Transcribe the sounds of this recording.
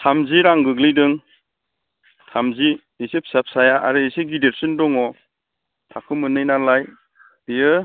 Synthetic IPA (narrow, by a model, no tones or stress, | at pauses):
tʰamziɾaŋɡɯɡlijdɯŋ | tʰamzi | isep̚sap̚sajaʔa̰ɾɯiseɡideɾsɯndɔŋɔ | tʰakʰɯmɯnɯjnalaj | dijɯ